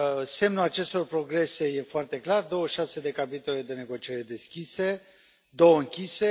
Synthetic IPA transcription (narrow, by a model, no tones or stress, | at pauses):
se̞mnulat͡ʃe̞st̪o̞rpɾo̞ɡɾe̞se̞je̞foart̪e̞klard̪o̞wəʃase̞d̪e̞kapit̪o̞le̞d̪e̞ne̞ɡo̞t͡ʃieɾed̪e̞skʲise̞ | d̪o̞wəɨŋkʲise̞